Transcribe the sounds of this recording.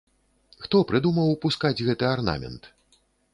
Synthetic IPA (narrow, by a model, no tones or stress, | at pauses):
xt̪ɔpɾɨd̪umɐwpuskad͡zʲɣɛt̪ɨarna̰mʲɛ̰nt̪